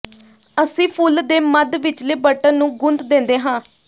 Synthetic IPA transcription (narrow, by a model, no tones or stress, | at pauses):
əsĩːpʰuld̪eːməd̪ʋɪt͡ʃleːbəʈənnũːɡʊnt̪d̪ẽːnd̪eːɦãː